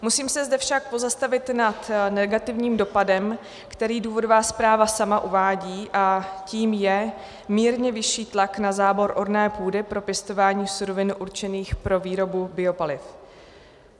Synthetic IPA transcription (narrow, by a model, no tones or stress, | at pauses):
musiːmsɛzdɛfʃak̚po̞zast̪avɪt̪nat̪nɛɡat̪ɪvɲiːmdo̞padɛm | kt̪ɛɾiːduːvo̞dovaːspɾaːvasamaʔuvaːɟiːʔaciːmjɛ | miːɾɲɛvɪʃiːt̪laknazaːbo̞ɾʔo̞ɾnɛːpuːdɪpɾo̞pjɛst̪o̞vaːɲiːsuɾo̞vɪnʔuɾt͡ʃɛniːxpɾo̞viːɾo̞bubɪo̞palɪf